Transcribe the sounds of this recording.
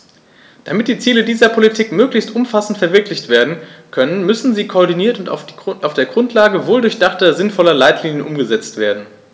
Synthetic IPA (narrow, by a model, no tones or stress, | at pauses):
d̥amɪt̚d̥iːt͡siːlədiːzɐpʰolitʰiːkmøːklɪçstʔʊmfasn̩tfɛɐvɪɐklɪçtv̥eːɐdn̩kʰœnənmʏsn̩ziːkʰoɐdiniːɐtʊntʔaʊfd̥eːɐɡʁʊntʰlaːɡəvoːldʊɐçd̥aχtɐzɪnfɔlɐlaɪtʰliːnjənʔʊmɡəzɛt͡stv̥eːɐdn̩